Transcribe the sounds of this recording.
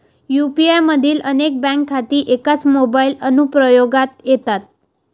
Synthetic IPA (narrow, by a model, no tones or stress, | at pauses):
jupiajməd̪ʱiːlənek̚bɛ̃ŋkʰːat̪iːʔekat͡smobailənupɾəjoɡat̪jet̪at̪̚